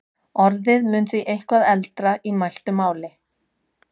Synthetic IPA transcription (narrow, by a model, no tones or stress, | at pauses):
ɔɾðɪðmʏnt̪iʔejhkvaðɛlt̪ɾaʔimajl̥t̪ʏmaːwlɪ